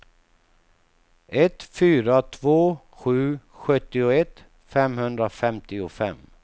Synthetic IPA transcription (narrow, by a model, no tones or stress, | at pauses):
ɛt̪fyːɾat̪ʰvoː | ɧʉ̟ːɧœt̪ːɪʊɛt̪ | fɛmhɵnd̪ɾafɛmt̪ɪʊfɛ̰m